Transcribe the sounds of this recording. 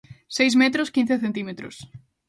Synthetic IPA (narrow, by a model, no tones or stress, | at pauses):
sejsmɛt̪ɾʊskin̟θeθẽnt̪imet̪ɾʊ̰s